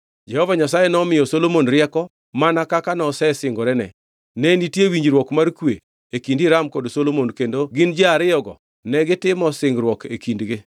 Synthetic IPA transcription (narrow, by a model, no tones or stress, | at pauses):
d͡ʒɛhɔvaɲasajenɔmɪjɔsolomonɾɪɛkɔ | manakakanɔsɛsɪŋɡɔɾɛnɛ̰ | nɛnitjewiɲd͡ʒɾwɔkmarkwe | ekindɪɾamkɔdsolomonkendoɡɪnd͡ʒeaɾɪjɔɡɔ̰ | nɛɡɪtɪmɔsɪŋɡɾwɔkʰḛkindɡe